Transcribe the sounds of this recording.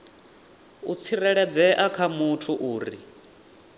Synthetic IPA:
ṵt͡sʰiɾɛɺɛd͡zɛʔakʰamutʰuʔuːɾḭ

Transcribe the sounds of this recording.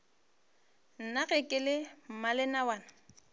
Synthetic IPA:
n̩naɣɛkʼɪlɪm̩malɪnawaːna

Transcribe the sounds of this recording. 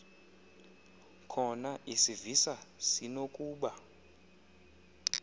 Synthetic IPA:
kʰɔnaʔisivisasinokʼuːɓa

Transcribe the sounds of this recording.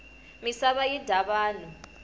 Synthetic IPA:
misaβajid̥ʱaβaːlɔ

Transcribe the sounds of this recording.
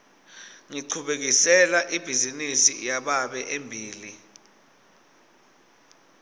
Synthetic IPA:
ŋiǀʰuɓek̬isɛlaʔib̥ʱizinisijaɓaɓɛʔembʱiːli

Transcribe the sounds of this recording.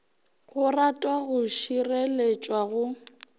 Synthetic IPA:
ɣʊratʼwaɣʊʃirelet͡ʃʼwaɣʊ

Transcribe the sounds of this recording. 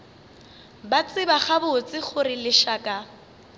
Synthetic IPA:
bat͡sʼɪbaχabʊt͡sɪχʊrɪlɪʃaːkʼa

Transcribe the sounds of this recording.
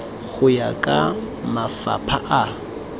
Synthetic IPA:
ɣʊjakʼa | mafa̰pʰaʔa

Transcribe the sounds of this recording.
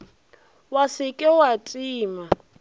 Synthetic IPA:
wasɪkʼɛwatʼiːma

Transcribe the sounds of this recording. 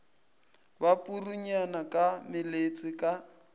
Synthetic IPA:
bapʼuruɲanakʼamɪlet͡sʼɪkʼa

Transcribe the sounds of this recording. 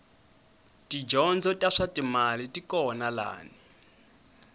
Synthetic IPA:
tʼid͡ʒɔnd͡zɔtʼaʂatʼimalitʼikʼɔnala̰ːni

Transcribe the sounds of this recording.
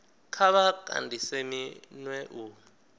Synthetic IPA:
kʰaβakʼa̰ndʱiseminwɛʔuː

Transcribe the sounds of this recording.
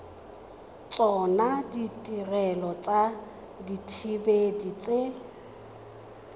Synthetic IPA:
t͡sʼɔnaditʼirɛlɔt͡sʼa | ditʰibedit͡sʼe

